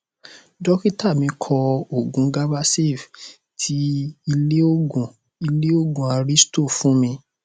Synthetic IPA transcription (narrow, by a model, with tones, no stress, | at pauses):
d͡ʒɔ˦ki˦ta˦˨mĩ˧kʰɔ˧o˦˨ɡũ˨˦ɡa˦ba˦se˦˨f | tʰi˧˦i˧le˦o˦ɡũ˨ | i˧le˦o˦ɡũ˨a˧ɾi˦sto˦˨fũ˨˦mĩ˧